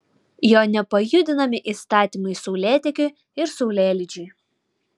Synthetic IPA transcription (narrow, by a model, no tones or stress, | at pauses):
joːnʲɛpɐjʊd̪ʲɪnɐmʲɪʔiːst̪ɑːt̪ʲimɐɪsɔʊlʲæːt̪ʲɛkʲʊ | ɪɾsɔʊlʲæːlʲɪd͡ʒʲʊɪ